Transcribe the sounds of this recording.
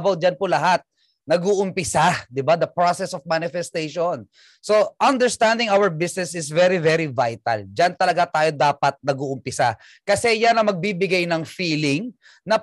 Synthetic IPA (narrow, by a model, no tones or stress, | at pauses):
baw̚d͡ʒɐnpʊlɐɦat̪̚ | nɐɡuːʔʊmpɪsad̪ɪbad̪ɐpɹosɛsɔfmanɪfɛst̪ejʃon | so̞ʔɐnd̪ɛɹst̪and̪ɪŋawəɹbɪsnɛsɪsvɛɾivɛɾivajt̪ɐ̰ld͡ʒant̪ɐlɐɡat̪aːjo̞d̪aːpɐt̪̚nɐɡuʔʊmpɪsa | kɐsɛjanɐŋmɐɡ̚bibɪɡajnɐŋfiːlɪŋ | nɐ